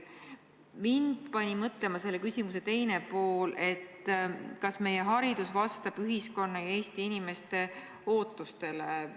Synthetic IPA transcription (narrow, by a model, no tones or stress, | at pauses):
mind̪̥pɑnʲimɤt̪lemɑse̞lːekysʲimuse̞t̪e̞jne̞po̞ːle̞t̪ːkɑsme̞je̞ɦɑɾid̪̥usvɑst̪ɑb̥yɦisko̞nːɑjɑeːst̪iinʲime̞st̪e̞ | o̞ːt̪ːˑust̪e̞le